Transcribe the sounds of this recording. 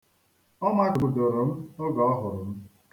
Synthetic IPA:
ɔ˦ma˦kʊ˨u˨dʊ˨ɾʊ˨m̩˦ʊ˦ɡɔ˨˦ɔ˦ɦʊ˨ɾʊ˨m̩˦

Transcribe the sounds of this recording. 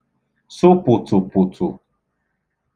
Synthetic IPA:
sʊ˦pʊ˨tʊ˨pʊ˨tʰʊ̰˨

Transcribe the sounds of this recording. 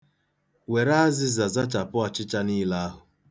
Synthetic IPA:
we˨ɾa˦a˦zɪ˦za˨za˦t͡ʃa˨pʊ˦a˨t͡ʃɪ˦t͡ʃa˦niː˦la˦a˦ɦʊ˨

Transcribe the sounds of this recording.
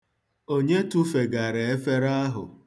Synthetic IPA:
o˦ɲe˦tu˦fe˨ɡa˨ɾe˨e˦fe˦ɾa˦a˦ɦʊ̰˨

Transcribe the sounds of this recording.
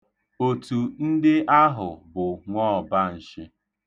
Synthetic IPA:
o˨tu˨n̩˦dɪ˦ʔa˦ɦʊ˨bʊ˨ŋʷɔ˦ɔ˨ba˦n̩˨ʃɪ˦

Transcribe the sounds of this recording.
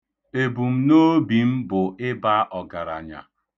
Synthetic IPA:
e˨bu˨m̩˦no˦bi˨m̩˦bʊ˨ɪ˦ba˦ʔɔ˨ɡa˨ɾa̰˨ɲa̰˨

